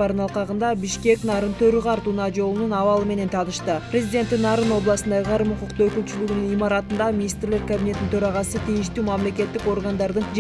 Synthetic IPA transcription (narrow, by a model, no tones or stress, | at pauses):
ɑɾd̪ɯnɑlˠqɑʁɯnd̪ɑbiʃkʲe̞knɑɾɯnt̪ʰøɾyʁɑɾt̪uːnɑd͡ʒo̞lˠununɑvɑlˠɯme̞ne̞nt̪ʰɑnɯʃt̪ɯprʲezʲidʲe̞nt̪ːinːɑɾɯno̞blˠɑsɯnd̪ɑqʰɑɾɯmuquqt̪uːøkylt͡ʃylyɡynynimɑɾɑt̪ɯnd̪ɑmʲinʲist̪rle̞ɾkabʲinʲe̞t̪ːint̪ʰø̞ɾɑʁɑsɯt̪ʰijiʃt̪yːmamle̞kʲe̞t̪ːiko̞ɾɡand̪ɑɾd̪ɯnd͡ʒ